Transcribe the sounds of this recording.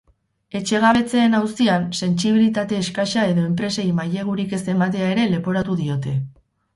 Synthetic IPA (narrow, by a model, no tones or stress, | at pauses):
e̞t͡ʃe̞ɣ̞aβ̞e̞t͡se̞ːnawst̪ianse̞nsiβilit̪at̪e̞ːskaʃae̞ðo̞e̞mp̬ɾe̞sejmaje̞ɣ̞uɾike̞se̞mat̪e̞ae̞ɾe̞le̞po̞ɾat̪uðio̞t̪e̞